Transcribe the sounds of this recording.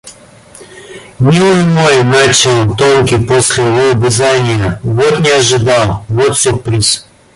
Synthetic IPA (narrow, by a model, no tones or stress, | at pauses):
nʲilˠɨjmojnat͡ɕɪlˠt̪oŋkʲɪposʲlʲɪjvobʲɪzanʲɪjəvot̪nʲɪɐʐɨd̪alˠvot̪sʲopɾʲis